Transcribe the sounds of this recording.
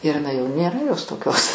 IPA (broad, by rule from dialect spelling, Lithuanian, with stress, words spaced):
ɪr ɪˈnɐɪ jɛʊ nʲeːˈrɐ joːs toːˈkʲoːs